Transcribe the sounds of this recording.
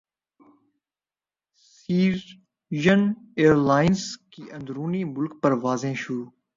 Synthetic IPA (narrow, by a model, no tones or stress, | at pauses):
siː | ʒəneːɾlaːɪnskiːʔə̃nd̪ɾuːniːmʊlk̚pəɾʋaːzẽːʃʊɾuː